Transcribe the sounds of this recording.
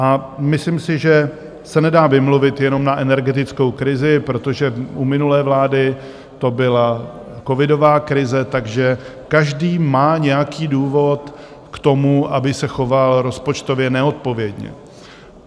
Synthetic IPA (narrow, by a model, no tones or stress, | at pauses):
ʔamɪslimsɪʒɛ | sɛnɛdaːvɪmluvɪt̪jɛno̞mnaʔɛnɛɾɡɛt̪ɪt͡sko̞wkɾɪzɪpɾo̞t̪o̞ʒɛumɪnulɛːvlaːdɪ | t̪o̞bɪla | ko̞vɪdo̞vaːkɾɪzɛt̪aɡʒɛ | kaʒdiːmaːɲɛjakiːduːvo̞t̪ | kt̪o̞muʔabɪsɛxo̞valɾo̞spo̞t͡ʃt̪o̞vjɛnɛot̪̚po̞vjɛdɲɛ̰